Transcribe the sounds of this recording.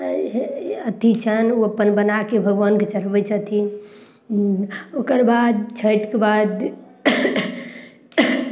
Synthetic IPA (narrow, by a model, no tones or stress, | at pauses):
ət̪it͡ʃʰənuəpənbənakebʱəɡʋənket͡ʃəɾbət͡ʃʰət̪ʰi | okəɾbad̪̚t͡ʃʰəjʈkebad̪